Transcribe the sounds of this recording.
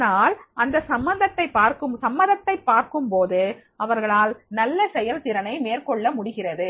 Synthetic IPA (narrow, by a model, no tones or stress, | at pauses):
naːlʔɐnd̪ɐsɐmbɐnd̪ɐt̪ːɐɪpːaːɾkɯmsɐmːɐðɐt̪ːɐɪpːaːɾkɯmpoːðɯ | ɐʋɐɾɣɐɭaːlnɐlːɐsɛjɐlt̪ɪɾɐnɐɪmeːɾkɔɭːɐmʊɽɪɣɪrɐðɯ